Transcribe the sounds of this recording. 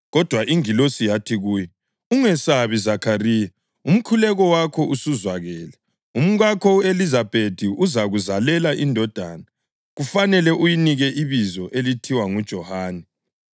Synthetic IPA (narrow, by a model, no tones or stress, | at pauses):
ɣɔd̥ʱwaʔiŋilosijatʰiɣuːjɔ | uŋɛsaβizakʰariːja | um̩kʰulɛɣɔwakʰɔʔusuzwaɣɛːlɛ | um̩ɣakʰɔuelizab̥ʱed̥ʱiʔuzaɣuzalɛlaʔindʱɔd̥ʱa̰ːna | ɣufanɛlɛʔujiniɣɛʔiβizɔʔelitʰiwaŋud̥ʒ̥ʱɔhaːnɛ